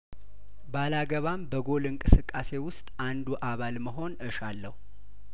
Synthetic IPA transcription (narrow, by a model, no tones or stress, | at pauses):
balaɡəβambəɡo̞lɨŋkʼɨsɨkʼːase̞wʊst̪ʼand̪uʔaβalməɦo̞nɨʃalːəhu